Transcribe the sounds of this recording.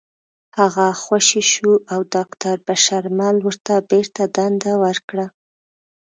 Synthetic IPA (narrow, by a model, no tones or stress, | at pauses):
haɣaxwaʃiʃuʔawd̪ɑkt̪aɾbaʃaɾmalwəɾt̪abeɾt̪ad̪and̪awəɾkɽa